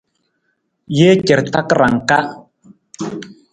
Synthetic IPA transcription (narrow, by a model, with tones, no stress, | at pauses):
je˦cɛ˨ɾta˦kɾa˨ŋka˦ʔ